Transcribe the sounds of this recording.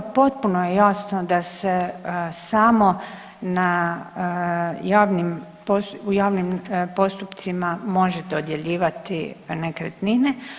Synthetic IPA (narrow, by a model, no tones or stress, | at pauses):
po̞t̪̚punojejaːsno̞d̪ase̞samo̞ | na | jaːʋnim | posujaːʋnimpo̞st̪upt̪simamo̞ʒet̪od̪je̞ʎiːʋat̪ḭnekɾet̪nine